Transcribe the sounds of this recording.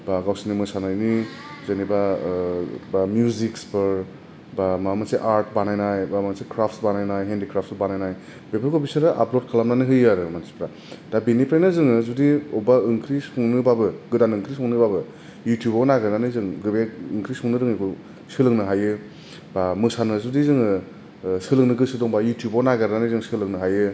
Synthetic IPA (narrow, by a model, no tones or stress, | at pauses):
baɡawsinimɯsanajni | zaniba | bamjuzikspɯɾ | bamamaseʔaɾt̚banajnajbaasekɾapʰtsbanajnajɦendikɾap̚ʰtsbanajnaj | bebɯɾkʰobisɯɾɯʔa̰plod̚kʰalamnanɯɦɯjaɾɯmansi̥pɾa | d̥abinipɾajnazɯŋɯzudiɔbaɯŋkʰɾisɔŋnɯbabɯɡɯdanɯŋkʰɾisʰɔŋnɯbabɯ | jutjubanaɡadanɯzɯŋɡɯbeːŋkʰɾisɔŋnɯdɯŋekʰu | sɯlɯŋnɯɦajɯ | bamɯsanɯzudizɯŋɯ | sɯlɯŋnɯɡɯsɯdɔŋbajutjubonaɡɯɾdanɯzɯŋsɯlɯŋnɯɦajɯ